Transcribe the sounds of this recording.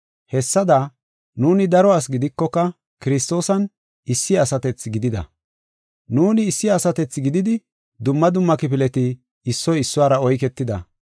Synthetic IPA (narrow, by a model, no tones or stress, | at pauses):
hɛsːɐd̪a | nuːnɪd̪ɐɾɔas̬ɡɪd̪ɪkːɔkːɐ | kɪɾɪst̪o̞ːsɐn | ɪsːɪɐsɐt̪ɛt͡sɡɪd̪ɪd̪ɐ̰ | nuːnɪːsːɪɐsɐt̪ɛt͡sːɡɪd̪ɪd̪ɪ | d̪ʊmːɐd̪ʊmːɐkɪpɪlɛt̪ɪː | sːɔjɪsːʊwaːɾɐɔjkɛt̪ːɪd̪ɐ̰